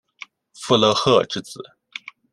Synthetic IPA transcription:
fu˥˧lɤ˥˧xɤ˥˧ʈ͡ʂɻ̩˥˩t͡sɹ̩˨˩˦

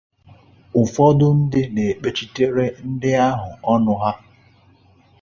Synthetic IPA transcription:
ʊ˨fɔ˦dʊ˦n̩˦dɪ˦ne˨k͡pe˨t͡ʃi˦te˦ɾe˦n̩˦dɪ˦a˦ɦʊ˨ɔ˦nʊ˦ɦa˦

